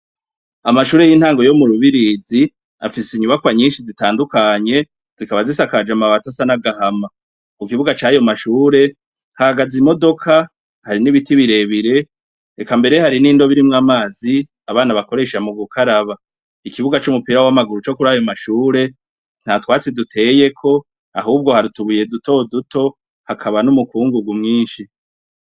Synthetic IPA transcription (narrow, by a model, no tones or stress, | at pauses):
amaʃuːɾe̞jin̥haːŋɡo̞jo̞muɾuβiɾid͡zi | a̰fisiɲuβakwaɲiːnʃizitaːndukaɲe̞ | z̥ikaβazisakad͡ʒamaβatasanaɡahama | ukiβuɡat͡ʃaːjo̞maʃuːɾe̞ | hahaɡazimo̞do̞kʰa | haɾiniβitiβiɾe̞βiɾe̞ | ekambe̞ɾe̞haɾiniːndo̞βiɾimŋaːmaːzi | aβaːnaβako̞ɾe̞ʃamuɡukʰaɾaβa | ikiβuɡat͡ʃumupiːɾawamaɡuɾut͡ʃo̞kuɾajo̞maʃuːɾe̞ | n̥hatwaːt͡sidutʰe̞je̞kʰo̞ | aɦuːb̚ɡo̞haɾituβuje̞duto̞dutʰo̞ | hakʰaβanumukuːŋɡuɡumŋiːnʃi